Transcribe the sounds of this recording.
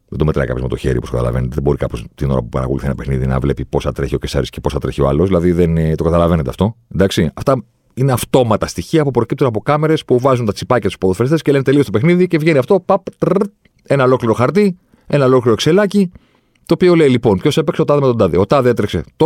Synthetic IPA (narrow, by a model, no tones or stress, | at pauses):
ðend̪ome̞t̪ɾɐ̰ikɐpjome̞t̪o̞çe̞̰ɾipostokɐ̰t̪ɐ̰lɐ̰venet̪eðebo̞ɾikɐpost̪inoɾɐ̰pupɐ̰ɾɐ̰ko̰lṵθinɐpexniðinɐ̰vle̞pipo̞sɐt̪ɾeçio̞cesɐ̰ɾiscepo̞sɐt̪ɾeçioɐ̰lozðilɐðiðent̪o̞kɐt̪ɐlɐve̞net̪eɐ̰ft̪o̞end̪ɐksiɐft̪ɐ | ine̞ɐft̪o̞mɐt̪ɐst̪içiɐpupɾo̞cip̚t̪unɐpo̞kɐme̞ɾe̞spuvɐzunt̪ɐt͡sipɐcɐt̪u̥spoðofeɾest̪escele̞net̪eliost̪opexniðice̞vʝe̞niɐft̪o̞pɐp̪ | e̞nɐolo̞kliɾo̞xɐɾt̪i | enɐolo̞kliɾokse̞lɐci | t̪o̞ːpio̞lejlipo̞npço̞sepekseot̪ɐðemet̪od̪ɐðiot̪ɐðee̞t̪ɾekse̞t̪o